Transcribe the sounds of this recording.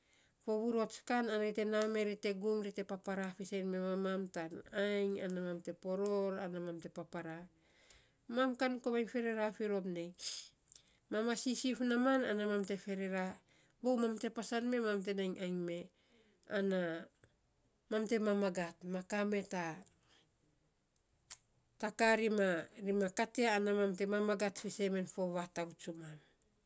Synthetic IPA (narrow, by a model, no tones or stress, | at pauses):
po̞βuɾuatskananaɾite̞name̞ɾite̞ɡumɾite̞papaɾafisejnme̞mamamtanajŋanamamte̞po̞ɾo̞ɾanamamte̞papaɾa | mamkankoβajnfe̞ɾe̞ɾafiɾo̞pne̞j | mamasisifnamana̰namamte̞fe̞ɾeɾa | βowmamte̞pasanme̞mamte̞najŋʔajŋme̞ | ana | mamte̞mamaɡatmakame̞ta | takaɾimaɾimakateaːnamamte̞mamaɡatfeseme̞nfo̞βatawt͡ʃuman